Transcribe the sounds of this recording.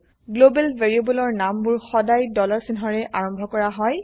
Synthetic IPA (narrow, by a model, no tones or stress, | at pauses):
ɡlobɛlveɹiobɔlɔɹnambʊɹxɔdajdɔlɔɹsinɦɔɹɛʔaɹɔmbʱɔkɔɹaɦɔj